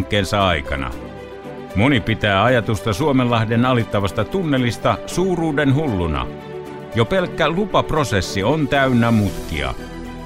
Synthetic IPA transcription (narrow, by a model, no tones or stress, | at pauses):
ŋkːˑeːnsɑɑikɑ̰nɑ̰ | monipit̪æːɑjɑt̪ust̪ɑsuomelːɑhdenɑlit̪ːɑʋɑst̪ɑt̪unːelːist̪ɑsuːruːdenɦulːunɑ̰ | jopelkːælupɑprosesːiont̪æynːæmut̪kḭɑ̰